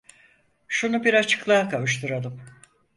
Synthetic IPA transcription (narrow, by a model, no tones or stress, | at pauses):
ʃunubiɾat͡ʃʰɯ̥klˠaːkʰavɯʃ̬t̪ʰuɾalˠɯm